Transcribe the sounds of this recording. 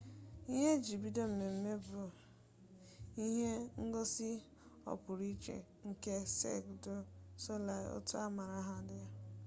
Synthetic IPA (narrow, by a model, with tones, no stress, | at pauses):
i˦ɦe˦d͡ʒi˨bi˦do˦m̩˨me˨m̩˦me˦bʊ˨ | i˦ɦe˦ŋ̩˦ɡo˦si˦ | ɔ̰˨pʊ˨ɾi˦t͡ʃḛ˨ | ŋ̩˦ke˦sḛ˦˨kdo˦so˦la̰˨o̰˦tʊ˦a˦ma˨ɾa˦ɦa˨dɪ˦a˦